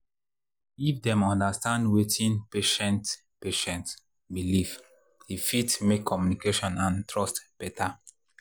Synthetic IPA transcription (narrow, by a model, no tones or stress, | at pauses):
ifdɛ̃mɔ̃ndastãndwetʰĩnpeʃɛ̃nt | peʃɛ̃nt | biliv | hifitmekʰːɔmjunikeʃɔ̃nãntɹɔstb̥ɛta